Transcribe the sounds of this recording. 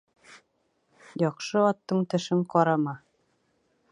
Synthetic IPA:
jɑqʃɤɒt̪ːɤɴt̪ɘ̆ʃɘɴqɑɾɑmɑ

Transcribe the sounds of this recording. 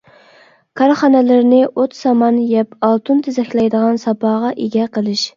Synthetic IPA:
kʰɑɾχɑnɛlɪɾnɪʔot̪sɑmɑnjɛpʰɑlˠt̪ʰunt̪ʰɪzɛkʲlɛjd̪əʁɑnsɑpʰɑːʁɑʔeɡʲɛqʰəlˠɪʃ

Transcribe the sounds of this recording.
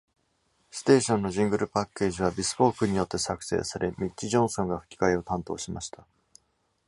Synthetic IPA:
sɨ̥t̪e̞ːɕõ̞nːo̞ʑĩŋɡɯ̟ɾɯ̟pakːe̞ːʑiβ̞abʲisɨ̥bo̞ːkɯ̟ɲ̟ijo̞t̪ːe̞sakɯ̟̥se̞̰ːsaɾʔe̞mʲitt͡ɕːiʑõ̞ɰ̃sõ̞ŋɡaɸɯ̟̥kʲi̥kaio̞t̪ãnt̪o̞̰ːɕima̰ɕi̥t̪ʰḁ

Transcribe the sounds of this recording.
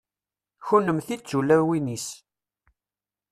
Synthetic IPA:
çunəmθit͡sːulːæwinis

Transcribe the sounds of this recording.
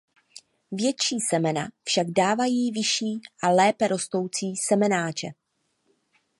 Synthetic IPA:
vjɛt͡ʃiːsɛmɛna̰fʃaɡdaːvajiːvɪʃiːʔalɛːpɛɾo̞st̪o̞wt͡siːsɛmɛnaːt͡ʃɛ

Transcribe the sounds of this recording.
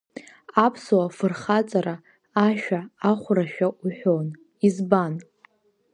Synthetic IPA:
apʰsowafɨrχat͡sʼaɾaː | ʃᶣaaχʷraʃᶣaʔuħʷᶣon | izban

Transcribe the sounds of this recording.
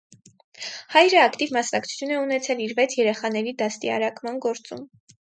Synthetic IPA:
hɑjɾəɑkt̪ivmɑsnɑkt͡sʰu̥t͡sʰjunɛunɛt͡sʰɛliɾvɛt͡sʰjɛɾɛχɑn̪ɛɾid̪ɑst̪iɑ̰ɾɑkmɑnɡɔɾt͡sum

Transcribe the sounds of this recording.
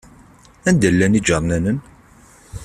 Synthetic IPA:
ænd̪ælːænid͡ʒɑɾˤnænən

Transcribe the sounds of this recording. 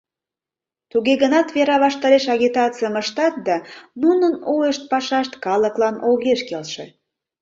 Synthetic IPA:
t̪uɣeɣənɑt̪βeɾɑβɑʃt̪ɑɾeʃɑɣʲit̪ɑt͡sɨjəməʃt̪ɑt̪̚d̪ɑnunənojəʃt̪̚pɑʃɑʃt̪kɑləklɑnoɣeʃkelʃḛ

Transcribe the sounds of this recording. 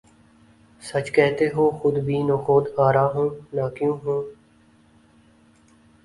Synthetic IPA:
sət͡ʃkɛːt̪eːɦoːxʊd̪bʱiːnoːxoːd̪aːɾaːɦõːnaːkjũːɦõː

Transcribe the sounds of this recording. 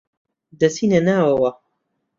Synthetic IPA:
d̪ɐsiːnɐnaːwɐwɐ

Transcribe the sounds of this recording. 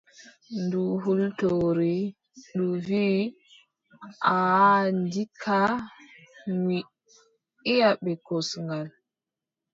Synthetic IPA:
nduɦultoɾi | ɗuviː | ʔandikʰa | ŋi | ijaɓɛkosŋɡal

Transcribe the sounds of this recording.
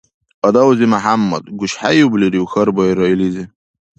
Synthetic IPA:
ɐd̪awzimaħamːɐ̰d̪ɡuɕħajubliɾiwxɐɾbɑiɾɑilizi

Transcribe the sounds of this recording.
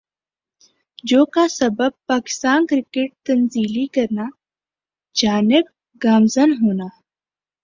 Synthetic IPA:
d͡ʒoːkasɐbəb̚paːkɪ̥st̪aːnkɾɪkeʈ̚t̪ɐnziːlikɐɾna | d͡ʒaːnɪb | ɡaːmzənɦoːnaː

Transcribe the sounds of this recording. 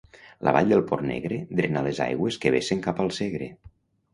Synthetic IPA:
lə̰βaʎd̪əlˠpɔrnḛɣɾed̪ɾenaleza̰jɣweskeβeseŋkapəlˠseɣɾe

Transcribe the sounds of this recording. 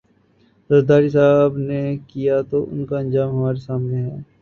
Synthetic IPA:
zɐɾd̪aːɾis̬aːbnekijat̪oʔʊ̰nkaɐ̃nd͡ʒaːmɦɐmaːɾesaːmneɦɛː

